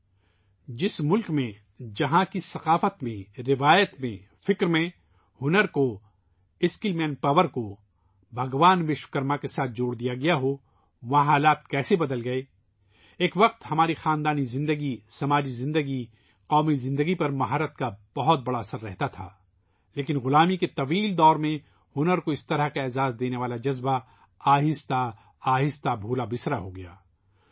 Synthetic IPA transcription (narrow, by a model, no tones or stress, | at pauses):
d͡ʒɪsmʊlkmẽ | d͡ʒɐɦãkisɐqaːfət̪mẽɾɪʋaːjət̪mẽ | fɪkɾmẽ | hʊnəɾko | ɪskɪlmɛnpɐʋəɾko | bʱɐɡʋaːnʋɪʃʋkɐɾmakesaːt̪̚ʰd͡ʒoːɽd̪ijaɡɐjaɦo | ʋɐɦãɦaːlaːt̪̚kɛːsebɐd̪əlɡɐe | eːkʋɐq̚t̪hɐmaːɾixaːnd̪aːnizɪ̃nd̪əɡisɐmaːd͡ʒizɪ̃nd̪əɡi | qɔːmizɪ̃nd̪əɡipɐɾmɐɦaːɾət̪̚kab̥ɐɦɔt̪̚bɐɽaɐsəɾːɛɦt̪at̪ʰa̰ː | leːkɪnɣʊlaːmiket̪ɐʋiːld̪ɔːɾmẽ | hʊnəɾkoɪst̪ɐɾəɦkaɛːzaːzd̪eːneʋaːlad͡ʒɐzba | aːɦɪst̪a | aːɦɪst̪abʱuːlabɪsɾaɦoɡɐja̰ː